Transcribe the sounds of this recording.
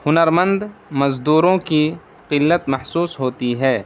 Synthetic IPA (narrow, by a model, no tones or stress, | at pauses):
hʊnəɾmə̃nd̪mɐzd̪uːɾõki | qɪlːət̪mɐhsuːsɦoːt̪iɦɛː